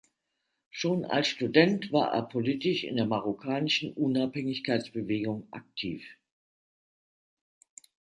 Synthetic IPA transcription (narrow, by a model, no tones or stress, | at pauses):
ʃoːna̰lsʃtudɛntv̥a̰ːɐʔḛːɐpʰoliːtɪʃɪ̰ndeːɐmaʁokʰaːnɪʃn̩ʔʊnaphɛŋɪçkaɪt͡sb̥əveːɡʊŋʔa̰k̚tʰḭːf